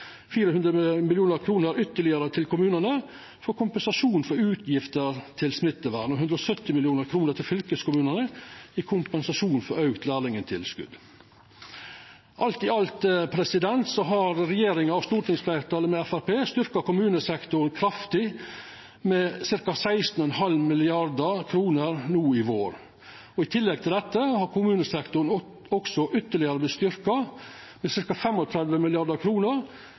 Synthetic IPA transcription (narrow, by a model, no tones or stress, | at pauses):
fiːɾəhʉnd̪ɾəmɪljuːnəɾkʰɾuːnəɾʏt̪ːəɭɪəɾət̪ʰɪlkʊmʉːnənə | fɔɾkʰʊmpənsɑʂuːnfɔɾʉːt̪ʰjɪft̪əɾt̪ʰɪlsmɪt̪ːəʋæ̰ːɾɳɔɦʉnd̪ɾəɔsœt̪ːɪmɪlɪuːnəɾkʰɾuːnəɾt̪ʰɪlfʏlkəskʊmʉːnənəikʰʊmpənsɑʂuːnfɔɾœʉkt̪ʰlæːlɪŋənt̪ʰɪ̰lskʉ̰d̪ | ʔɑlt̪ɪɑlt̪əpʰɾɛsɪd̪ɛnt̪sɔɦɑɾɾɛjeːɾɪŋəɑʋst̪uːʈɪŋsflæɪɾt̪ʰɑːləmɛæfæɾpeːst̪ʏɾkɑkʊmʉːnəsɛkt̪ʊɾnkʰɾɑft̪ɪ | mɛsɪɾkɑsæɪst̪n̩ɔɛnhɑlmɪlɪɑɾd̪əkʰɾuːnəɾnuːɪʋoːɾ | ɔɪt̪ʰɪlːɛɡ̚t̪ʰɪld̪ɛt̪ːəhɑɾkʰʊmʉːnəsɛkt̪ʊɾn̩ | ɔksɔʔʏt̪ːəɭɪɑɾəblɪst̪ʏɾkɑ | mɛsɪɾkɑfɛmɔt̪ʰɾɛd̪ʋəmɪlɪɑd̪əkʰɾuːnəɾ